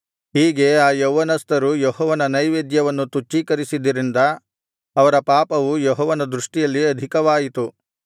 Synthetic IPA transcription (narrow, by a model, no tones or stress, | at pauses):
ɦiːɡe̞aːjoʋːɐnɐst̪ɐɾujɔɦɔːʋɐnɐnɐjʋeːd̪jɐʋɐnːut̪ut͡ʃːiːkɐɾisid̪ɐɾind̪ɐː | ʋɐɾɐpaːpɐʋujɔɦɔːʋɐnɐd̪ɾuʂʈijɐlːiɐd̪ʱikɐʋaːjit̪u